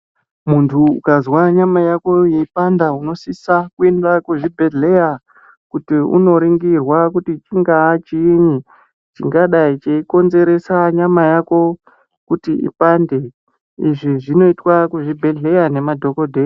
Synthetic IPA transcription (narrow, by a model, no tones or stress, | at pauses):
muntʰuṵkazwaɲamajako̞je̞ipandauno̞sisakue̞ndakuʐibʱeɮe̞ja | kutiṵno̞ɾiŋɡirwakutit͡ʃiŋɡaːt͡ʃiːɲi | t͡ʃiŋɡaɗait͡ʃeiko̞nze̞ɾe̞saɲamajako̞ | kutiḭpande̞ | iʐiʐino̞itwakuʐibʱe̞ɮe̞jane̞madʱo̞kodʱeja